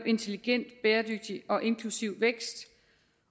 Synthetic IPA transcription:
b̥e̝nt͡sʰe̝liɡ̥en̰d̥b̥eːɐd̥øɡ̥̚d̥iɒ̽ʔe̝nkʰlusiʊ̰ʋeɡ̥sd̥

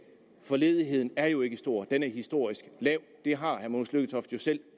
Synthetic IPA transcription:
fɒ̽le̝ːð̞ˠiɦe̝ð̞̰ˠn̩æɐjo̝e̝ɡ̥əsd̥o̝ɐ̰d̥enæɐhisd̥o̝ɐ̰isɡ̥lɛʊ̰d̥e̝ɦɑ̈hæɐmo̝ːn̩sløɡ̥ət͡sʰɒ̽fd̥jo̝sel̰

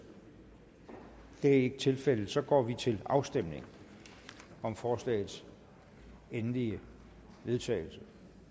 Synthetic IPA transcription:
d̥e̝æeɡ̥ət͡sʰe̝lfel̰ð̩sɒ̽ɡ̥ɒ̰ːʋit͡sʰe̝lɑ̈ʊsd̥emne̝ŋ | ɒ̽mfɒːslɛ̰ːɪðˠs | enliə | ʋe̝ðˠt͡sʰɛ̰ɪl̩sə

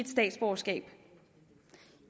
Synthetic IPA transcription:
d̥sd̥ɛ̰ːd̥sb̥oːsɡ̥ɛ̰ːb̥

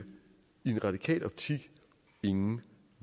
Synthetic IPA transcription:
ie̝nʁɑ̈d̥ikʰɛ̰ːlɒ̽b̥̚t͡sʰiɡ̥ | e̝ŋn̩

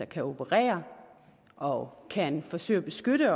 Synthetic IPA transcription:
ɑkʰæo̝b̥əʁɛ̰ːɐ | ʔɒ̽kʰænfɒ̽sø̰ːɪɐb̥e̝sɡ̥øɾ̥ə

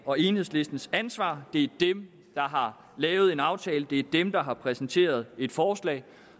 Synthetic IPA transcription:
ɒ̽e̝ːnhḛsle̝sd̥n̩sænsʋɑ̰̈ːd̥e̝æɐd̥em | d̥ɑ̈ɦɑ̈ | lɛːʊð̞̩ˠe̝nɑ̈ʊt͡sʰɛːləd̥e̝æɐd̥emd̥ɑ̈ɦɑ̈pʰʁɛsn̩t͡sʰe̝̰ːɐð̞ˠe̝d̥fɒːslɛ̰ːɪ

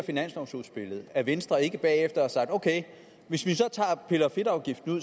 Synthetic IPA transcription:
ɐfinæn̰sɑ̈ʊsuðˠsb̥e̝ləð̞̩ˠæʋensd̥ʁɐe̝ɡ̥əb̥ɛ̰ːefd̥ɐɒsɑ̈ɡ̥d̥oʊkʰeɪ | ʋe̝sʋisɒ̽t͡sʰɑ̰̈ːpʰe̝lɐfe̝ɾɑ̈ʊɡ̥ifd̥n̩uð̰ˠ

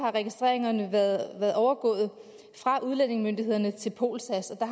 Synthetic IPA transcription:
ɑ̈ʁɛɡ̥isd̥ʁḛɐ̰eŋɐnəʋðʋæɐðˠʔɒʊɐɡ̥ɔ̰̽ːð̞̩ˠ | fʁɑ̈ʔuðˠlen̰e̝ŋmønd̥iɦe̝ð̞̰ˠɐnət͡sʰe̝lpʰo̝̰ːlsæsɒ̽d̥ɑ̈

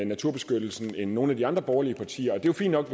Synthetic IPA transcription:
næt͡sʰuɐ̰be̝sɡ̥ød̥l̩sn̩enːo̝ːn̩æd̥iɑ̈nd̥ʁɐb̥ɒʊɐliəpʰɑ̈t͡sʰḭːɐɒ̽d̥e̝jofḭn̥ːɒ̽ɡ̥ʋ

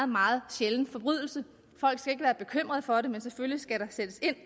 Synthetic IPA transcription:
ð̩ˠmɑ̈ːð̩ˠɕeln̩fɒ̽b̥ʁyðˠl̩sə | fɒ̽l̰ɡ̥sɡ̥æe̝ɡ̥əʋæːɐb̥e̝kʰøm̰ʁɐð̞̩ˠfɒ̽ɾe̝menseføllisɡ̥æɾɑ̈sed̥əse̝n̰

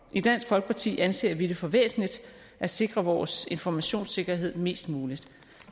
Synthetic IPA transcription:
ʔid̥æn̰sɡ̥fɒ̽lɡ̥ə̥pʰɑ̈t͡sʰḭːʔænse̝̰ːɐʋid̥əfɒ̽ʋḛːsn̩lid̥ | ʔæ̥se̝ɡ̥ʁɐʋɒːse̝nfɒmæɕo̝̰ːnse̝ɡ̥ɐɦe̝ð̰ˠme̝̰ːsd̥muːlid̥

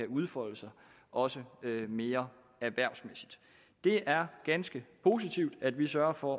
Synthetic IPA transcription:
æuð̞ˠfɒ̽l̰əsɑ̈ɪ | ʔɒ̽səøme̝ːɐ | æʋæɐ̰smesid̥ | d̥e̝ʔæɐɡ̥ænsɡ̥əpʰo̝sit͡sʰiʊ̰d̥æd̥ʋisɶɐfɒ

